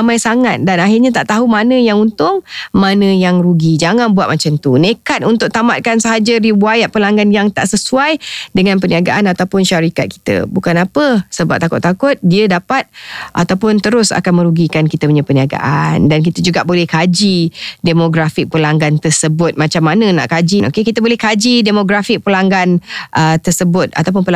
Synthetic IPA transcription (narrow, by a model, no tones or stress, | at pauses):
amajsaŋat̪̚danaɦɪrɲat̪aʔt̪aɦumanə̃jaŋunt̪ʊŋmanə̃jaŋɾuɡid͡ʒaŋanbuwat̪̚mat͡ʃamt̪unekat̪̚unt̪ʊk̚t̪amat̪̚kansəɦad͡ʒəɾiwajaʔ̚pəlaŋɡanjaŋt̪a̰ʔsəsuajdəŋãnpəniaɡaʔanat̪awpʊnʃaɾikat̪̚ki̥t̪ə̰bukanapəsəbap̚t̪akʊt̪ːakʊt̪̚diədapat̪̚ʔa̰t̪awpʊnt̪əɾʊsa̰kanmə̃ɾuɡikankit̪əuɲəpəniaɡa̰ʔa̰ndank̬it̪əd͡ʒuɡaʔbolɛhkad͡ʒidemoɡɾafɪk̚pəlaŋɡant̪ərsəbʊt̪̚mãt͡ʃamːanə̃na̰ʔkad͡ʒinokekit̪əbolɛhkad͡ʒidemoɡɾafɪk̚pəlaŋɡanʔət̪ərsəbʊt̪̚a̰t̪awp̬ʊnpəl